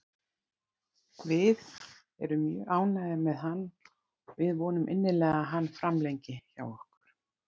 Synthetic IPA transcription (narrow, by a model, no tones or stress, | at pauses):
vɪð | ɛɾʏmjœːʔaːwnaðɪmɛðanː | vɪðvɔːnʏmʔɪnːɪlɛːɣaɦanːfɾamlejɲcɪça̰wɔhkʏɾ̥